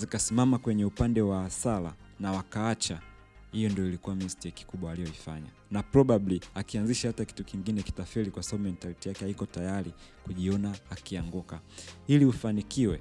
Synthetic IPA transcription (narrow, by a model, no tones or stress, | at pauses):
zikasimamakwɛɲɛupandɛwaːsala̰ | nawakaat͡ʃa | hijɔndiɔilikuwamistɛki̥kuɓwaːlijɔifa̰ɲa̰ | napɾɔɓabliakianziʃahataki̥tukiŋɡinɛki̥tafiɾikwasaɓaɓumɛntalitijakɛhaikɔtajaɾikuʄiɔnaːkiaŋɡukailiufanikiwɛ